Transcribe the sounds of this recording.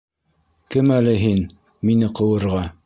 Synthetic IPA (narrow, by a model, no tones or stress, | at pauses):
kɘmælɘɦin | minɘqɤ̆wɤ̆ɾʁɑ